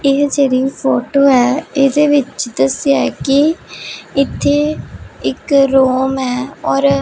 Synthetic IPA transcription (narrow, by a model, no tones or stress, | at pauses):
ɪɦd͡ʒeːɾiːpʰoːʈoːɛːɪːd̪eːʋɪt͡ʃd̪əsɪjaːɛkɪ | ɪt̪ʰːeːɪkɾoːmɛːɔːɾ